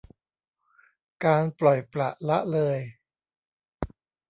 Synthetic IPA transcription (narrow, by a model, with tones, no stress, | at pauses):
kaː˧nplɔ˨˩jpla̰˨˩ʔla˦˥ʔlɤː˧j